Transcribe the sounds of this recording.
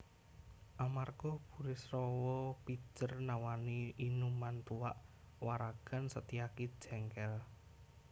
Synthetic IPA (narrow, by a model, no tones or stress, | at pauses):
ʔamarɡ̥ɔb̥ṳɾɪsrɔwɔpi̥t͡ʃərnawaniʔːnumant̪uwaʔ | waɾaɡ̥a̤nsət̪iakid̥ʒ̥ɛŋkɛl